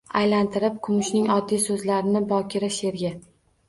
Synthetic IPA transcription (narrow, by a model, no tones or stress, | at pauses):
ajlant̪ʰɪɾɪp̚kʰʊmʊʃnɪŋɒd̪ːijsɵzlaɾɪnɪbɒkʲʰɪɾaʃe̞ɾɡʲɪ